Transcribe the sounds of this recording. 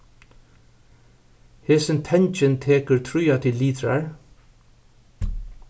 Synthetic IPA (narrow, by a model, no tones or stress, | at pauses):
heːsɪnt̪ʰɛɲt͡ʃɪnt̪ʰeːkəɹt̪ʰɾʊjat̪ʰɪliːt̪ɾaɹ